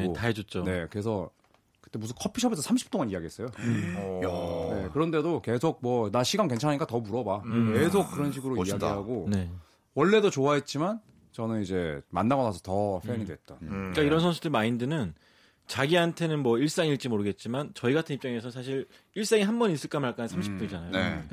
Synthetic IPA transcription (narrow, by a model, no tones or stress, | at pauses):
taɦed͡ʑot̚t͡ɕ͈one̞kɯɾe̞sʰʌ | kɯ̥t͈e̞mus̬ʰunkʰʌpʰiɕʰʌbe̞sʰʌsʰamɕʰi̥p̚t͈oŋaɲijaɡiɦe̞s͈ʌjo | ne̞kɯɾʌnde̞doke̞sʰok̚mwʌnaɕʰiɡankwe̞nt͡ɕʰanɦaɲik͈atʌmuɾʌbakesʰok̚k͈ɯɾʌnɕ̬ʰiɡɯɾoiaɡiɦaɡone̞ | wʌɭːe̞dot͡ɕoaɦet̚t͡ɕ͈iman | t͡ɕʌnɯnid͡ʑe̞ma̰nːaɡʌnasʰʌ̥tʌɸʰeɲidwe̞t̚t͈ank͈aiɾʌnsʰʌnsʰudɯɭmaindɯnɯn | t͡ɕaɡiɦantʰe̞nɯnmwʌiɭs͈aŋiɭt͡ɕ͈imoɾɯɡe̞t̚t͡ɕ͈imant͡ɕʌiɡatʰɯnip̚t͡ɕ͈aŋe̞s̬ʰʌnsʰaɕʰiɾ | iɭs͈aŋiɦambʌnis͈ɯɭk͈amaɭk͈annsʰamɕʰipt͈oid͡ʑanajoe